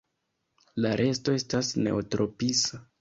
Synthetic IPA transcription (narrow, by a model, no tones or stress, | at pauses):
laɾʔe̞sto̞e̞stasne̞̰otɾo̞pisa